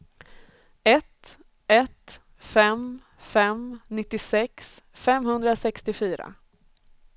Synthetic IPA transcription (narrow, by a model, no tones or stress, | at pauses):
ɛt̪ | ɛt̪ | fɛm | fɛmnɪt̪ːɪsɛksfɛmhɵnd̪ɾasɛkst̪ɪfyːɾa̰